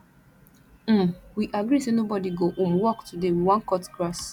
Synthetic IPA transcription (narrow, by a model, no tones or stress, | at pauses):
m̩mwiʔaɡɹisenobɔdiɡoʔũmwɔktʰudewiwãnkɔtɡ̥ɹas